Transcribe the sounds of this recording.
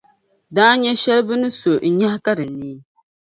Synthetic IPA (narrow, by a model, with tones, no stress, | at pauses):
daː˦ɲɛ˦ʃɛ˦lɨ˦bɨ˦nɨ˦so˨n̩˨ɲa˦hka˦ɾɨ˨nːiː˦